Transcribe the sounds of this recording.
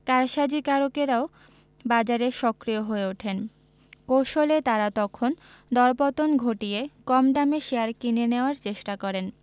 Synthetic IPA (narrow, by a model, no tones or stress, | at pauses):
kaɾʃad͡ʑikaɾokeɾao | bad͡ʑaɾeʃɔkɾioɦoeoʈʰen | kowʃolet̪aɾat̪ɔkʰon | d̪ɔɾpɔt̪onɡʱoʈiekɔmd̪ameʃeaɾkineneoaɾt͡ɕeʃʈakɔɾen